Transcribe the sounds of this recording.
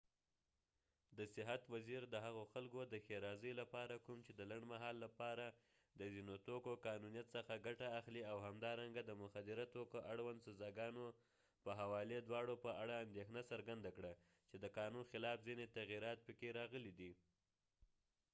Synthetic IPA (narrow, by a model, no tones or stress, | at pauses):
d̪əsɪɦat̪waziɾd̪əɦaɣoxalkod̪əxeɾɑzəjlapɑɾakumt͡ʃed̪əlaɳɖmaɦɑlːapɑɾa | d̪əzinot̪okokɑnunijat̪səxaɡaʈaːxliawhamd̪ɑɾaŋɡad̪əmʊxad̪ɪɾat̪okoʔaɽwand̪sazɑɡɑno | pəɦawɑled̪wɑɽopəaɽaːnd̪exnasaɾɡand̪akɽa | t͡ʃed̪əkɑnunxɪlɑfzinet̪aɣiɾɑt̪̚pəkeɾɑɣəlid̪i